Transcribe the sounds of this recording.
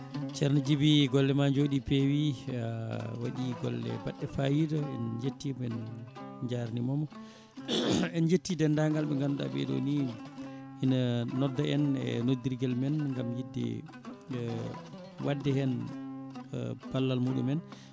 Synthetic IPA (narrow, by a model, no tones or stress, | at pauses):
t͡ʃɛɾnad͡ʒibiɡɔlːɛmad͡ʒoɗipewi | waɗiɡɔ̰lːɛ̰baɗːɛfajidɔɛnd͡ʒetːimɛnɲd͡ʒaɾnimɔmɔ | ɛnd͡ʒetːidɛndaŋɡalɓɛŋɡanɗa̰bɛ̰ɗo̰ni | inaːɔdːɔɛnɛ̰nodiɾɡɛlmɛnŋɡamjidːɛ̰ | wʔadːɛhɛn | b̥alːalmuɗṵmɛn